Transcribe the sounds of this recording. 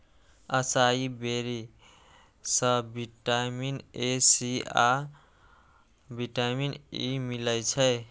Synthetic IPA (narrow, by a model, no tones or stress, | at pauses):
əsaibeɾi | səbiʈaminesia | biʈaminimiləjt͡ʃʰəe